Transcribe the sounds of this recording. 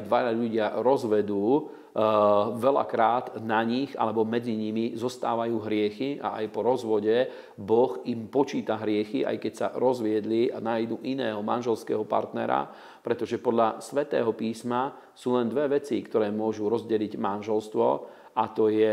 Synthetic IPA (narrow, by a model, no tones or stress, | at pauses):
d̪ʋaaʎuɟɪaɾɔzʋɛd̪uː | ʋɛla̰kɾaːd̪naɲixa̰lɛbɔmɛd͡ziɲimizɔst̪aːʋajuːɦɾɪɛxia̰ʔa̰jpɔɾɔzʋɔɟɛ | bɔximpɔt͡ʃiːt̪aɦɾɪɛxiʔa̰jkɛcsa̰ɾɔzʋɪɛd̪lianajd̪uʔinɛːɦɔma̰nʒɛlskɛ̰ːɦɔpa̰ɾt̪nɛ̰ɾa̰ | pɾɛt̪ɔʒɛpɔd̪ʎasʋɛt̪ɛ̰ːɦɔpiːsma | suːlɛnd̪ʋɛʋɛt͡sḭkt̪ɔɾɛːmʊɔʒuɾɔzɟɛliɟmanʒɛlst̪ʋɔ̰ | at̪ɔjɛ